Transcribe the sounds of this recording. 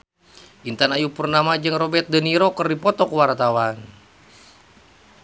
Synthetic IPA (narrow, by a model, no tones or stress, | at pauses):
ʔint̪anajupərnamad͡ʒɨŋrɔbɛt̪̚dəniɾokərdipɔt̪ɔkwart̪awan